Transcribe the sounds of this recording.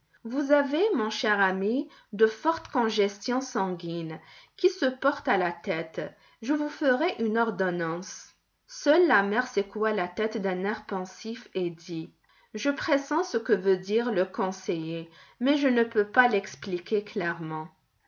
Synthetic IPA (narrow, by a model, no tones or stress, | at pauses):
vuzavemɔ̃ʃɛʁami | d̪əfɔʁt̪kɔ̃ʒɛst̪jɔ̃sɑ̃ɡinkʲisəpɔʁt̪alat̪ɛt̪ | ʒəvufəʁeʔynɔʁd̪ɔnɑ̃s | sœlːamɛʁsekualat̪ɛt̪d̪ɛ̃nɛʁpɑ̃sifed̪i | ʒəpχesɑ̃səkəvød̪iʁləkɔ̃sejemɛʒənəpøpalɛksplikʲeklɛʁmɑ̃